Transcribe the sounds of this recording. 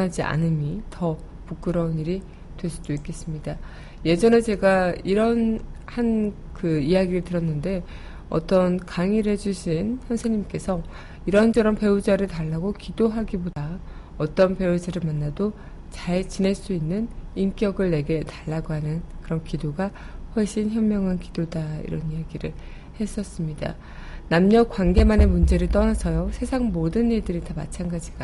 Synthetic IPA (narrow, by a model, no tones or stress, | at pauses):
ɦad͡ʑia̰nɯmitʌ | puk͈ɯɾʌuniɾi | twe̞ɭs͈ud̥oik͈e̞s͈ɯmɲida | je̞d͡ʑʌne̞t͡ɕe̞ɡaiɾʌnhan | kɯijaɡiɾɯɭtɯɾʌnːɯnde̞ | ʌ̰t͈ʌnkaŋiɾɦe̞d͡ʑuɕʰinçjʌnsʰeɲimk͈e̞sʰʌ | iɾʌnt͡ɕʰʌɾʌmpe̞ud͡ʑaɾɯɭtaɭːaɡokidoɦaɡiboda | ʌt͈ʌnpe̞ud͡ʑaɾɯɭmanːado | t͡ɕaɭt͡ɕine̞ɭs͈uinːɯnink͈jʌɡɯɭne̞ɡe̞taɭːaɡoɦanɯnkɯɾʌnkidoɡa | ɸwʌɭɕ͈inçjʌmːjʌŋɦankidodaḭɾʌnijaɡiɾɯɭ | he̞s͈ʌs͈ɯmɲida̰ | namɲʌkwanɡe̞mane̞mund͡ʑe̞ɾɯɭt͈ʌnasʰʌjosʰe̞sʰaŋmodɯniɭdɯɾitama̰t͡ɕʰanɡad͡ʑiɡa